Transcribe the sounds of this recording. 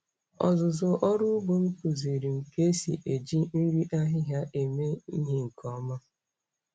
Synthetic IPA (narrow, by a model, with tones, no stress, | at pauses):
ɔ̰˨zʊ˨zʊ˨ʔɔ˦ɾʊ˦bo˨m̩˦ku˨zi˨ɾi˨ŋ̩˨ke˦sḭ˨ʔe˨d͡ʒi˦n̩˦ɾi˦ʔa˦ɦɪ˦ɦja˦ʔe˨me˦i˦ɦe˦ŋ̩˨kʰɔ˦ma˦